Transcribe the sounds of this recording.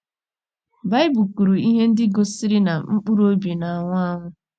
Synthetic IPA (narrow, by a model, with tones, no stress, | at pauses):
ba˦ɪ˦bu˨ku˨ɾu˨i˦ɦe˦n̩˦dɪ˦ɡo˦si˦ɾɪ˦na˨ŋ͡m̩˦k͡pu˦ɾo˦bi˨na˨a˨ŋʷa˦ŋʷʊ˦